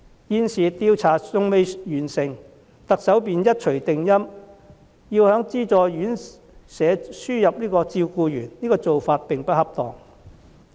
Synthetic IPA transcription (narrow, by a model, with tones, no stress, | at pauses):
jiː˧nsiː˨˩t̪iː˧wt͡sʰaː˨˩ʊ˧ŋme˨˧jjyː˨˩nsɪ˨˩ŋ | t̪ɐ˨k̚sɐ˨˥wpiː˨njɐ˥t̚t͡ʃʰɵ˨˩ɥt̪ɪ˨ŋjɐ˥m | jiː˧whœː˨˥ŋt͡siː˥t͡sɔː˨jjyː˨˥n | sɛː˨˧˥syː˥jɐ˨p̚niː˥kɔː˧t͡siː˧wkuː˧jyː˨˩nniː˥kɔː˧t͡so˨wfaː˧t̚pɪ˨ŋpɐ˥hɐ˥p̚t̪ɔ̰ː˨ŋ